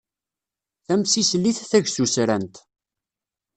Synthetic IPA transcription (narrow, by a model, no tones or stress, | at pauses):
θæmsislːiθθæʝsusɾænt̪